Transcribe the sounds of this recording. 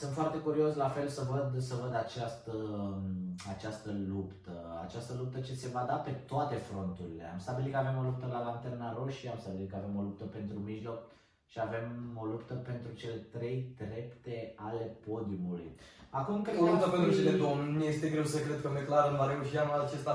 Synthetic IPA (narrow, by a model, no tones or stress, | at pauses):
sɨnt̪foart̪e̞kuɾio̞slafe̞lsəvəd̪səvəd̪at͡ʃast̪ə | at͡ʃast̪əlupt̪əa̰t͡ʃast̪əlup̚t̪ət͡ʃe̞se̞vad̪ape̞t̪oat̪e̞fɾo̞nt̪uɾile̞̰a̰mst̪abilit̪̚kəave̞mo̞lup̚t̪əlalant̪ernaɾo̞ʃiamst̪abilit̪kəave̞mo̞lup̚t̪əpe̞nt̪ɾumiʒlo̞k̚ | ʃiave̞mo̞lupt̪əpe̞nt̪ɾut͡ʃe̞le̞t̪ɾe̞jt̪ɾe̞pt̪e̞ale̞po̞d̪iumulṵjakumkɾeolupt̪əpe̞nt̪ɾut͡ʃeled̪omnest̪eɡɾewsekɾed̪̚kəmejklaɾɨnmaɾeuʃiamat͡ʃest̪a